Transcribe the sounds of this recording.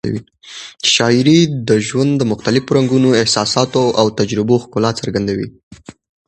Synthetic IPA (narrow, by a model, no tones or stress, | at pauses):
a̰wḭ | ʃɑɪɾid̪əʒwand̪d̪əmʊxt̪alɪfoɾaŋɡunoɪhsɑsɑt̪oawt̪ad͡ʒɾɪboxkʊlɑt̪səɾɡand̪awḭ